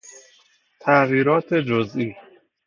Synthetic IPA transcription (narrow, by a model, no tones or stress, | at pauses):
t̪ʰæʔɣiːɾɒːt̪ʰed͡ʒozʔiː